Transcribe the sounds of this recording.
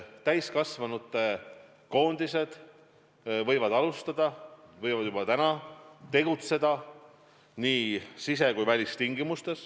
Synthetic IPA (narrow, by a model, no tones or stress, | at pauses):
t̪æjskɑsvɑnut̪ːˑe̞ | ko̞ːnd̪̥ise̞d̪̥ | vɤjvɑd̪ɑlust̪ɑd̪̥ɑvɤjvɑd̪jub̥ɑt̪ænɑt̪e̞ɡ̥ut̪se̞d̪ɑ | niːsise̞kujvælʲist̪iŋɡimust̪e̞s